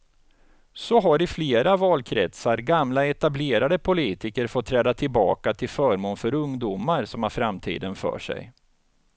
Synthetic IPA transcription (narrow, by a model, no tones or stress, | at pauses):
sɔɦaɾɪfleːɾavɑːlkʰɾɛ̰t̪saɾɡamlaɛt̪ableːɾad̪əpʰʊliːt̪ɪkəɾfɔt̪ʰːɾɛːd̪at̪ʰɪlbɑ̰ːkat̪ʰɪlfœːɾmoːnfœɾɵŋd̪uːmaɾsɔmhaɾfɾamt̪ʰḭːd̪ənfœ̰ːʂɛ̰j